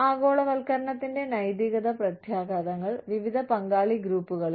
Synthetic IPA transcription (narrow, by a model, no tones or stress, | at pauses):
aːɡo̞ːɭɐʋɐlkɐɾɐɳɐt̪ːinde̞nɐjd̪iɣɐd̪ɐprɐt̪ʰjaːɡaːd̪ɐŋːɐɭʋiʋid̪ʱɐpɐŋɡaːɭiɡɾuːpːuɣɐɭi